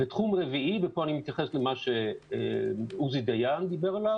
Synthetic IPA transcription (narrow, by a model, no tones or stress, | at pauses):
bet̪χumʁeviʔibepoanimit̪jaχeslemaʃeḛuzid̪ajand̪ibeʁalav